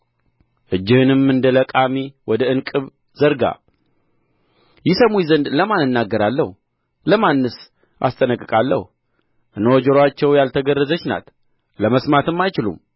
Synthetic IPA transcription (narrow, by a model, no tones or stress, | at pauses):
ʔɨd͡ʒːɪhɨnɨmːɨnd̪ələkʼamiwɔd̪əɨnkʼɨβ | zəɾɡa̰ | jɪsəmujzənd̪ləmanɨnːaɡːəɾalːəhu | ləmanːɨs | ʔa̰st̪ʼənəkʼːɨkʼalːə̰h | ʔɨnod͡ʒəɾat͡ʃːɛwjalt̪ʰəɡərːəzət͡ʃːna̰t̪ | ləməsmat̪ɨmːajt͡ʃɪlṵm